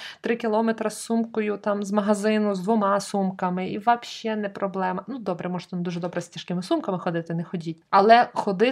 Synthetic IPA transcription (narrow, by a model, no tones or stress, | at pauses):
t̪ɾɪkʲilˠɔmɛt̪ɾɐsːumkɔjʊt̪ɑmzmɐɦɐzɪnʊzd̪ʋɔmɑsumkɐmɪiʋɐpʃt͡ʃɛnɛpɾɔblˠɛmɐnud̪ɔbɾɛmɔʒɛ̥t̪ɐnd̪uʒɛd̪ɔbɾɛstʲiʃkɪmɪsumkɐmɪxɔd̪ɪt̪ɪnɛxɔdʲitʲɐlˠɛxɔd̪ɪ